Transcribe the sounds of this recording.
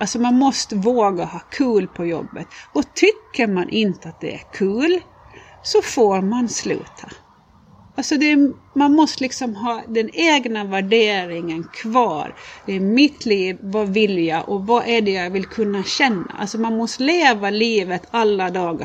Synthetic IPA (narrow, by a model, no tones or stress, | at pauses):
alsɔmanmɔst̪əvoːɡahɑːkʰʉːlpʰɔjɔ̰bːə̰t̪ɔt̪ʰʏkːəɾmanʔɪnt̪əat̪̚d̪ɛ̰æ̰ɾkʰʉːl | sɔfoːɾmanslʉ̟̰ːt̪ʰa | alsɔd̪ɛ | manmɔst̪əlɪksɔmɦɑːd̪ɛneːɡnavæɖeːɾɪŋənkʰvɑ̰ːɾd̪ɛːɾmɪt̪ʰliːvːɑvɪljaʔɔvaʔæɖɛjavɪlkʰɵnːaɕɛnːa̰ʔa̰lsɔmanmɔst̪əleːvaliːvət̪ʰalːad̪ɑːɡa